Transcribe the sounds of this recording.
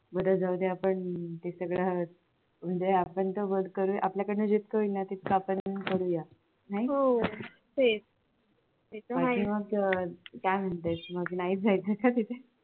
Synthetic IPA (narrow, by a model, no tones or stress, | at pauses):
bəd̪ad͡zawd̪eapəɳt̪esəɡɭa | m̤əɳd͡zeapəɳt̪əbəlkəɾuːjʔapljakəɽnud͡ʑit̪kəinat̪it̪̚ʰkapəɳkəɾuːja | naɦio | fe | et͡saakiːməɡ | kajm̤əɳt̪at͡sməɡnaiːt͡sd͡zajt͡səkat̪it̪ʰe